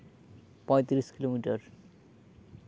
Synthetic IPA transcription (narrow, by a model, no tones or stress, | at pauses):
pɔ̃et̪iɾiskilomiʈaɾ